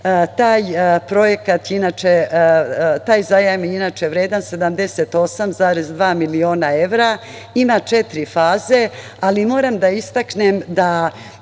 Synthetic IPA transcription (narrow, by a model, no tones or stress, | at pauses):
t̪aːjpɾo̞je̞kat̪jinat͡ʃe | t̪aːjzajamiinat͡ʃeʋɾeːd̪anse̞d̪amd̪e̞set̪o̞samzaːɾezd̪ʋaːmilio̞ːnae̞ʋɾa | imat͡ʃe̞t̪ɾifaːze̞ | alimo̞ːɾamd̪aist̪aknemd̪a